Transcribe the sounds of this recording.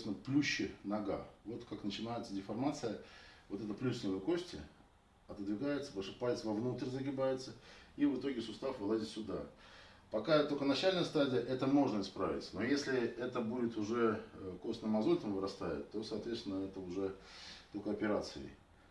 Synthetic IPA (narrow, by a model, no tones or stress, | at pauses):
sʲɪnəplʲuɕːɪnɐɡa̰vo̞t̪kaknət͡ɕɪnajɪt̪sədʲɪfɐrmat̪sɨjəvo̞t̪ɛt̪əplʲusʲnʲɪvəjko̞sʲtʲɪ | ɐt̪əd̪vʲɪɡajɪt̪səpəʂɨpajʲɪt̪səvɐvnut̪rʲzəɡʲɪbajɪt̪səivɨt̪o̞ɡʲɪsʊst̪afvɨlˠazʲɪt̪sʲʊd̪a | pɐkat̪ːolʲkənɐt͡ɕælʲnəjəst̪adʲɪjəʔɛt̪əmo̞ʐnəɪspɾa̰vʲɪ̰tʲno̞jesʲlʲɪɛt̪əbudʲɪt̪ʊʐɛko̞st̪nəmɐzolʲt̪əmvɨɾɐst̪ajɪ̰t̪ːo̞sɐːt̪vʲet̪st̪ʲɪnəɛt̪əʊʐɛt̪okəɐpʲɪɾat̪sɨɪ̰